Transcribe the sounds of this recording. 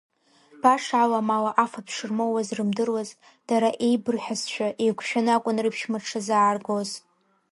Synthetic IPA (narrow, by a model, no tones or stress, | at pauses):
b̥aʂʕalamalaʔafapʰʂɨrmowazrɨmdɨrwaz | d̥aɾaʔejbɨrħʷᶣazt͡ʃʃʷᶣaʔejɡʷʰʃᶣanɨakʷʼʊnrɨpʰʃmaʈ͡ʂʰazaːrɡoz